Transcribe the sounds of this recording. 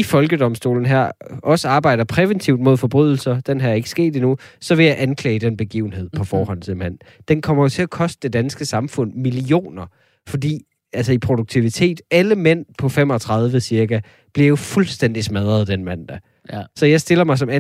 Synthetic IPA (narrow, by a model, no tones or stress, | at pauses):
ifɒ̽lɡ̥əd̥ɒ̽msd̥o̝̰ːln̩ɦæɐ̰ɒ̽səɑ̈ːb̥ɑ̈ɪ̰d̥ɐpʰʁɛʋənt͡sʰiʊd̥̚mo̝ð̞̰ˠfɒ̽b̥ʁyð̞̰ˠl̩sɐd̥enɦæɐe̝ɡ̥əsɡ̥e̝̰ːd̥inusɒ̽ʋe̝jɑ̈ɪʔænkʰlɛ̰ːɪd̥enb̥e̝ɡ̥ḭːʊ̰n̩he̝ð̰ˠpʰɒ̽fɒːhɒ̽n̰t͡sʰe̝lmæn̰ | d̥enkʰɒ̽m̰ɐjo̝t͡sʰe̝ækʰɒ̽sd̥əd̥e̝d̥ænsɡ̥əsɑ̈mfɔ̽n̰milio̝̰ːnɐ | fɒ̽d̥ḭː | ælsɐipʰʁo̝d̥uɡ̥̚t͡sʰiʋit͡sʰe̝̰ːd̥æləmen̰pʰɒ̽fem̰ɒ̽t͡sʰʁɑ̈ð̞ˠʋəsiɐɡ̥æ | b̥liɐjo̝fulsd̥en̰d̥ismæð̞ˠʁɐðˠd̥enmæn̰d̥æ | sɒ̽jɑ̈ɪsd̥e̝lɐmɑ̈ɪs̬ɒ̽mæ